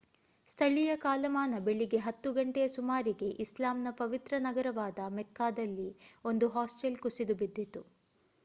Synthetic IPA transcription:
st̪ʰɐɭijɐkaːlɐmaːnɐbeɭːiɡe̞ɦɐt̪ːuɡɐɳʈɛjɐsumaːɾiɡe̞ʔislaːmnɐpɐʋit̪ɾɐnɐɡɐɾɐʋaːd̪ɐmɛkːaːd̪ɐlːio̞nd̪uɦaːsʈelkusid̪ubid̪ːit̪u

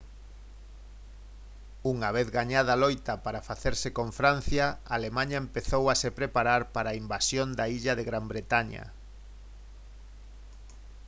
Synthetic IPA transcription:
uŋaβ̞eθɣaɲaðɐlojt̪ɐpaɾafaθeɾsekõɱfɾan̟θjɐalemãɲɐempeθowasepɾepaɾaɾpaɾaːimbasjond̪aiʎɐðeɣɾambɾet̪aɲɐ̰

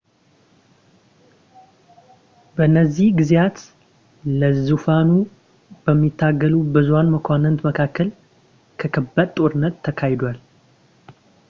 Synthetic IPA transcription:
bəɨnːəzːihɡɨzjat̪ | ləzufanu | bəmːit̪ʰːaɡːəlubɨzuanməkʷʰanːənt̪məkʰakʰːəl | kʰəkʰəbəd̪t̪ʼo̞ɾɨnːət̪ʰːəkʰajɪd̪wal

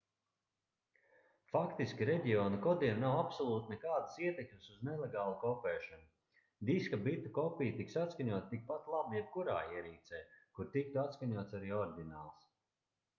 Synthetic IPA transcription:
fakt̪iskʲiɾɛɟʲiɔːnikɔd̪iɛnnawapsɔlˠuːt̪nɛkaːd̪ɨsiɛt̪ekmsuznɛleɡaːlˠukɔpɛːʃanu | d̪iskabit̪ukɔpijt̪iksat̪skaɲuɔt̪t̪ik̚pat̪lˠabujɛb̚kuɾa̰ːiɛɾiːt̪sɛːkuɾt̪ik̚t̪uat̪skaɲuɔt̪saɾiːɔɾd̪ʲinaːlˠs

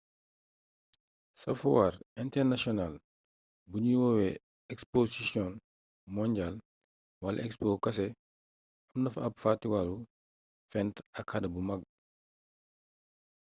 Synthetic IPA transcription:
sɐfuwaɾɛntɛɾnasiɔnal | buɲiwɔwɛ | ɛksposisiɔn | mɔɲɟal | walɐ̰ʔɛkspokɐs̬ɛ | ɐmnɐfɐpfatiwalu | fɛntɐkhɐdɐbumɐɡ̚

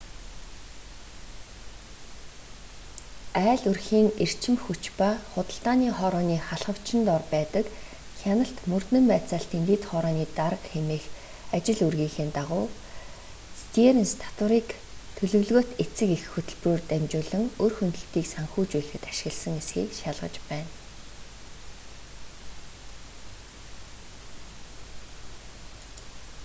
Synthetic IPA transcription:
æːɮɵrxiːŋer̥t͡ɕʰɪ̆mxut͡ɕpaːχʊt̪ə̆ɬt̪aːniːχɔɾɔːniːχaɮʁə̆w̥t͡ɕʰɪ̆nt̪ɔrpæːt̪ə̆k | xʲanə̆ɬt̪mɵr̥t̪nɘ̆mpæːt͡saːɬt̪ʰent̪eːt̪χɔɾɔːniːt̪aɾə̆qxemeːx | at͡ɕɪ̆ɮurɣiːxeːnt̪aʁʊː | st̪ieɾnst̪ʰḁt̪wə̆ɾiːk | t̪ʰɵɮɵ̆wɮɣoːt̪et͡sɘ̆kixxːɵt̪ɵ̆ɮpruːrt̪æmt͡ɕʊːɮɵ̆ŋorxɵnt̪ɵ̆ɬt̪iːksaŋxuːt͡ɕuːɮxɘ̆t̪ḁʃɪ̥̆ɣə̆ɮsə̆ŋesxḭːkʃaɮʁə̰̆t͡ɕpæːn

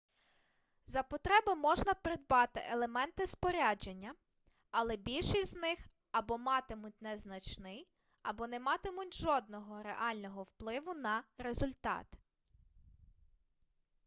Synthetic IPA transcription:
zɐpɔt̪ɾɛbɪmɔʒnɐpɾɪd̪̚bɑt̪ɪ̰ʔelˠemɛnt̪ɪspɔɾʲad͡ʒenʲːɐ | ɐlˠɛbʲilʲʃisʲznɪx | ɐbɔmɑt̪ɪmʊt̚ʲnɛznɐt͡ʃnɪj | ɐbɔnɛmɑt̪ɪmʊtʲʒɔd̪̚nɔɦɔɾḛʔɑlʲnɔɦɔwplˠɪʋʊnɐɾezʊlʲt̪ɑ̰t̪

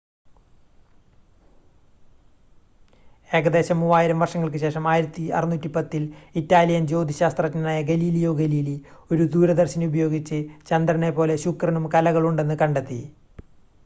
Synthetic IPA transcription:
e̞ːɣɐd̪e̞ːɕɐmːuːaːjiɾɐmʋɐrʂɐŋːɐɭk̬ɨɕe̞ːʂɐmaːjiɾɐt̪ːiɐ̰rinːuːtːipɐt̪ːilitːaːlijɐnd͡ʑo̞ːd̪ʱiɕaːst̪rɐkːnɐnaːjɐɡɐliːlijo̞ːɡɐliːlio̞ɾud̪uːɾɐd̪ɐrɕɐnubɐjo̞ːɡit͡ɕːɨt͡ɕɐnd̪rɐnepo̞ːle̞ɕukrɐnumkɐlɐɣɐɭuɳɖe̞nːɨkɐɳɖet̪ːi

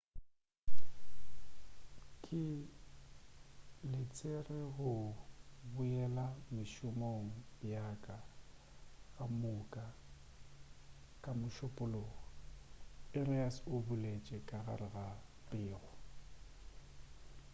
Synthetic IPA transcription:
kʼɪ | lɪt͡sʼerɪɣʊ | bʊɛlamɪʃʊmoŋ̩jakʼa | ɣʼamʊkʼa | kʼamʊʃʊpʼʊloːɣɔ | ɪrɪasʊbʊlet͡ʃʼɛkʼaɣa̰ɾɪɣapʼɪːɣɔ

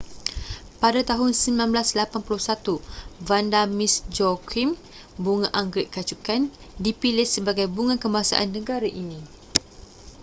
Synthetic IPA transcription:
padat̪aɦʊnsəmbilãnblaslapanpuluhsat̪uvandamisd͡ʒɔkʰim | buŋaʔaŋɡɾɪʔkat͡ʃukan | dipilɪhsəbaɡajbuŋãkəmbaɦasa̰ʔanːə̃ɡaɾaʔinĩ

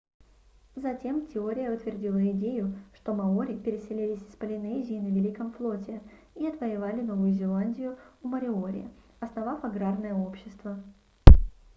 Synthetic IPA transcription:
zɐtʲe̞mtʲɪo̞ɾʲɪjəʊt̪vʲɪrdʲilˠəɪdʲejʊʂt̪o̞mɐoɾʲɪpʲɪɾʲɪsʲɪlʲilʲɪsʲɪ̥spəlʲɪnɛzʲɪːnəvʲɪlʲikəmflˠo̞tʲɪ | iɐt̪vəjɪvalʲɪno̞vʊjʊzʲɪlˠanʲdʲɪjʊʊməɾʲɪoɾʲɪ̰jə̰ | ɐsnɐvafɐɡɾarnəjəo̞pɕːɪst̪və

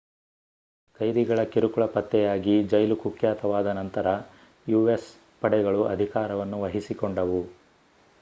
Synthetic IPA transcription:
kɐjd̪iɡɐɭɐkiɾukuɭɐpɐt̪ːɛjaːɡid͡ʒɐjlukukjaːt̪ɐʋaːd̪ɐnɐnt̪ɐɾɐ | juːʋes | pɐɽɛɡɐɭuɐd̪ʱikaːɾɐʋɐnːuʋɐɦisikoɳɖɐʋu

